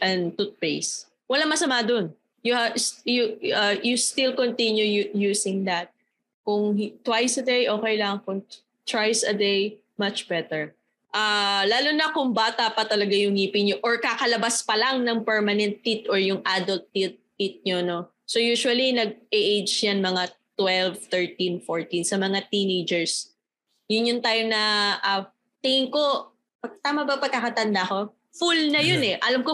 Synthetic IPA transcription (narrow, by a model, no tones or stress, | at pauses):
ʔɛnt̪ut̪̚pejs | wɐlaŋmɐsɐmad̪on | jʊsjuɐjust̪ilkont̪injujujuːsɪ̃ŋd̪ɐt̪̚ | kʊŋt̪wajsɐd̪ejʔo̞ːkɛjlɐŋkʊŋ | t̪wajsɐd̪ej | mɐt͡ʃbɛt̪ɛɹ | ʔalaːlʊnɐkʊŋbat̪ɐpɐt̪ɐlɐɡajʊŋiːpɪɲoʔoɹkakɐlɐbaspɐlɐŋnɐŋpɛɹmɐnɛnt̪̚ːit̪ʔɔɹjʊŋʔad̪ɐlt̪ːit̪̚ːit̪̚ɲono | sojuːʃʊwɐlinɐɡ̚ɛʔejd͡ʒjanmɐŋat̪wɛlvt̪ɛɹt̪infoɹt̪insɐmɐŋat̪inejd͡ʒɛɹs | jʊnjʊnt̪aːjonɐʔa | t̪ɪɪŋko̞ | pɐt̪aːmɐbɐpɐɡkːakɐt̪ɐnd̪ako̞ | fulnɐjonɛʔɐlamko